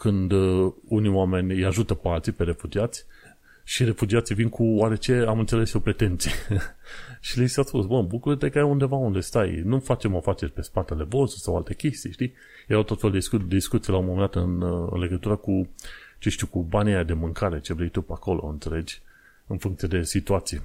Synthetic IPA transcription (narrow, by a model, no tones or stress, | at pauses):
kɨnd̪unioame̞nʲjaʒut̪əpealt̪sipe̞ɾe̞fud͡ʒiat̪sʲ | ʃiɾe̞fud͡ʒiat̪sivinkʰuwaɾe̞t͡ʃe̞amɨnt̪se̞le̞sjopɾe̞t̪e̞nt̪sije | ʃilisaspusbəbukuɾət̪ekəajund̪e̞vaund̪e̞st̪ajnufat͡ʃe̞mafat͡ʃe̞rʲpe̞spat̪e̞le̞vost̪sawalt̪e̞kʲe̞st̪iʃt̪ij | jejawt̪ot̪felud̪sud̪ed̪iskut̪sijelaomomənd̪at̪ɨnɨ̰nle̞ɡət̪uɾəkut͡ʃeʃt̪iukubaniad̪e̞mɨŋkaɾe̞t͡ʃe̞vɾejt̪upeako̞lo̞̰ɨ̰nt̪se̞le̞d͡ʒʲ | ɨnfuŋkt̪sied̪e̞sit̪uat̪sije